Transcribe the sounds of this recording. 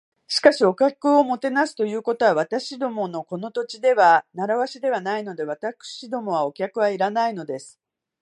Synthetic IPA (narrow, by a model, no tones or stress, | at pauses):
ɕi̥kaɕio̞kʲakɯ̟o̞mo̞t̪e̞nasɨ̥t̪o̞jɯ̟ːko̞t̪o̞βaβ̞at̪aɕid̪o̞mo̞no̞ko̞no̞t̪o̞t͡ɕid̪e̞βanaɾaβaɕid̪e̞β̞anaino̞d̪e̞βat̪akɯ̟̥ɕid̪o̞mo̞β̞ao̞kʲakɯ̟βaiɾanaino̞d̪e̞sɨ̥